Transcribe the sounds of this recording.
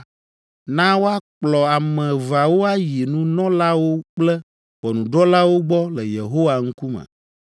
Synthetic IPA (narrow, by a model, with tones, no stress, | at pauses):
nã˦wo˦a˦k͡plɔ˨a˨mɛ̃˨va˨wo˦a˦je˨nũ˦nɔ̃˦la˦wo˦k͡plɛ˦ | ɸɔ˨nũ˨ɖɔ˦la˦wo˦ɡ͡bɔ˦lɛ˨jḛ˨ɦo˦wa˨ŋ̩˦ku˦mɛ̰˨